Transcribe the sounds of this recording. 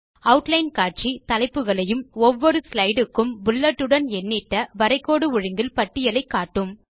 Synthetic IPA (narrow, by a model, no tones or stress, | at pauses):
ɐʋʊʈlɐɪnkaːʈ̚t͡ʃit̪ɐlɐɪpːɯɣɐɭɐjɯmɔʋːɔɾɯslɐɪɽɯkːɯmbʊlːɐʈːɯɽɐnɛnːɪʈːɐʋɐɾɐɪkːoːɽɯʊɻɪŋɡɪlpɐʈːɪjɐlɐɪkːaːʈːɯm